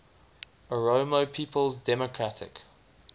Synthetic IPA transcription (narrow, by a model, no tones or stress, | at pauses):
əɹoːməpʰiːˑpʰəlˠzdɛmɔkʰɹ̥atʰɪ̰k